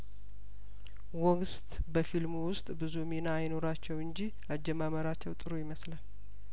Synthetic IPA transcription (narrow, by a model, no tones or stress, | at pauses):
wɔɡst̪ʼ | bəfilmuwʊst̪ʼbɨzuminaːjno̞ɾat͡ʃːɛwɨnd͡ʒi | ad͡ʒːɛmaməɾat͡ʃːɛwt̪ʼɨɾojɪməslal